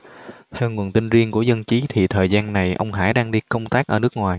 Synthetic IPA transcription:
t̪ʰɛ˧wŋu˨˩ənt̪ï˧ŋzi˧ənku˧˩əzə˧nt͡ɕi˨˦t̪ʰi˨˩t̪ʰəː˨˩jzaː˧nːa˨˩jʔə˧wŋ͡mɦa̰ː˧˩jɗaː˧ŋɗi˧kə˧wŋ͡mt̪aː˦˥k̚ʔəː˧˩nɨ˦˥ək̚ŋwaː˨˩j

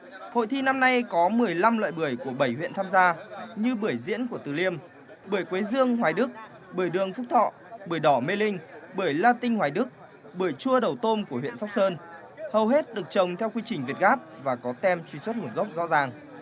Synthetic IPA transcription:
ho̰˧˨jt̪ʰi˧na˧mna˧jkɔ˨˦mɨ˨˩əjla˧mlwa̰ː˧˨jɓɨ˧˩əjku˧˩əɓə˧˩jhwḭ˧˨ənt̪ʰaː˧mzaː˧ɲɨ˧ɓɨ˧˩əjzḭ˧˥ənku˧˩ət̪ɨ˨˩li˧əm | ɓɨ˧˩əjkwe˨˦zɨ˧əŋhwaː˨˩jɗɨ˦˥k̚ | ɓɨ˧˩əjɗɨ˨˩əŋfʊ˦˥k͡p̚t̪ʰɔ̰˧˨ | ɓɨ˧˩əjɗɔ˧˩me˧lï˧ŋ̟ɓɨ˧˩əjlaː˧t̪ï˧ŋ̟hwaː˨˩jɗɨ˦˥k̚ | ɓɨ˧˩əjt͡ɕu˧əɗə˨˩wt̪o˧nku˧˩əɦwḭ˧˨ənsa˦˥wk͡p̚səː˧n | hə˨˩wɦe˦˥t̚ɗɨ˨˩ək̚t͡ɕə˨˩wŋ͡mt̪ʰɛ˧wkwi˧t͡ɕï̟˨˩vi˨˩t̚ɣaː˦˥p̚vaː˨˩kɔ˨˦t̪ɛ˧mt͡ɕwi˧˩swt̚ŋu˨˩n̚ɣə˦˥wk͡p̚zɔ̰˧˥zaː˨˩ŋ

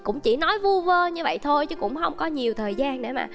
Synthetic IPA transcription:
kʊ̰˧˥ŋ͡mt͡ɕi˧˩nɔ˨˦jvu˧vəː˧ɲɨ˧və̰˧˨jt̪ʰo˧jt͡ɕɨ˨˦kʊ̰˧˥ŋ͡mxə˧wŋ͡mkɔ˨˦ɲi˨˩əwt̪ʰəː˨˩jzaː˧nɗḛ˧˥˩ma̰ː˨˩

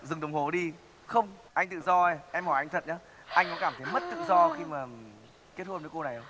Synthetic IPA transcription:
zɨ˨˩ŋɗə˨˩wŋ͡mho˨˩ɗi˧ | xə˧wŋ͡mʔa˧jŋ̟t̪ɨ̰˧˨zɔ˧ə˧˩ʔɛ˧mhɔ˧˩jʔa˧ŋ̟t̪ʰə̰˧˨n̚ɲaː˨˦ | ʔa˧jŋkɔ˨˦kaː˧˩mt̪ʰə˨˦jmə˦˥t̚t̪ɨ̰˧˨zɔ˧xi˧maː˨˩ | k̪i˦˥ət̚hə˧nə˨˦ko˧na˨˩jə˨˦

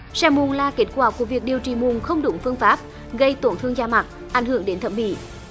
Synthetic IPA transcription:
sɛ˧˩mu˨˩nlaː˨˩ke˦˥t̚kwaː˧˩ku˧˩əvi˨˩ək̚ɗi˨˩əwt͡ɕḭ˧˩mu˨˩nxə˧wŋ͡mɗʊ˨˦ŋ͡mfɨ˧əŋfaː˦˥p̚ | ɣə˧jt̪o˧˩˦nt̪ʰɨ˧əŋzaː˧ma˨˩t̚ | ʔa˧˩jŋ̟hɨ˧˩əŋɗe˨˦nt̪ʰə˧˩m̚ɓḭ˧˨

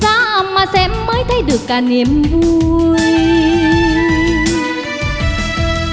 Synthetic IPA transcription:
zaː˧˦ʔə˨˩mmaː˨˩sɛ̰˧˥mːəː˨˦jt̪ʰə˨˧jɗɨ˨˩əkːaː˨˩ni˨˩əmvu˧j

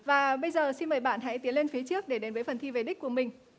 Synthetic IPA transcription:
vaː˨˩ɓə˧jzəː˨˩si˧nməː˨˩jɓa̰ː˧˨nɦa̰˧˥jt̪i˨˦ənle˧nfi˨˦t͡ɕɨ˦˥ək̚ɗe˧˩ɗe˨˦nvəː˨˦jfə˨˩nt̪ʰi˧ve˨˩ɗï˦˥k̟̚ku˧˩əmï˨˩ŋ̟

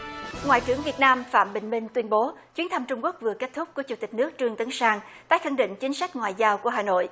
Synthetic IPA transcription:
ŋwa̰ː˧˨jt͡ɕɨ˧˩əŋvi˨˩ət̚naː˧mfa̰ː˧˨mɓï˧˩ŋ̟mï˧ŋ̟t̪wi˧ənɓo˨˦t͡ɕwi˨˦ənt̪ʰə˧mt͡ɕʊ˧ŋ͡mku˦˥ək̚vɨ˨˩əke˦˥t̚t̪ʰʊ˦˥k͡p̚ku˧˩ət͡ɕu˧˩t̪ï˨˩k̟̚nɨ˦˥ək̚t͡ɕɨ˧əŋt̪ə˨˦ŋsaː˧ŋt̪a̰ː˧˨jxə˧˩ŋɗḭ̈˧˨ŋ̟t͡ɕï˨˦ŋ̟sa˦˥jk̟̚ŋwa̰ː˧˨jzaː˧wku˧˩əɦaː˨˩no̰˧˨jʔ

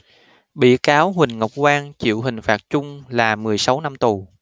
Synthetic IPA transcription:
ɓḭ˧˩kaː˨˦wɦwï˨˩ŋ̟ŋə˨˩wk͡p̚kwaː˧nt͡ɕḭ˧˨əwɦï˨˩ŋ̟faː˨˩t̚t͡ɕʊ˧ŋ͡mlaː˨˩mɨ˨˩əjsa˨˦wna˧mt̪u˨˩

